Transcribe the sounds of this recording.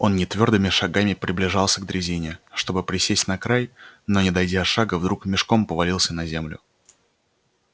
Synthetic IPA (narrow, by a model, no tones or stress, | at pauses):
o̞nnʲɪt̪vʲo̞rd̪ɨmʲɪʂaɡamʲɪpɾʲɪblʲɪʐɑlˠsʲəɡd̪ɾʲɪzʲinʲɪʂt̪o̞bɨpɾʲɪsʲesʲtʲnɐkɾajno̞nʲɪd̪ɐjdʲaɐʂaɡəvd̪ɾukmʲɪʂko̞mpəvɐlʲilˠsʲənɐzʲe̞mlʲʊ̰